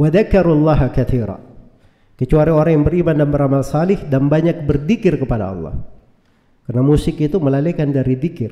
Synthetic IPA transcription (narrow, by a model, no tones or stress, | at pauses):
waðakːaɾulːɑɦakaθiɾa̰ | kət͡ʃuaɾioɾaŋjaŋbəɾimandanbəɾamalsalɪhdanbaɲak̚bərd̪ikɪrkəpada̰ɑ̰lːɑ̰h | karnamusɪkit̪uməlalekandaɾid̪ikɪr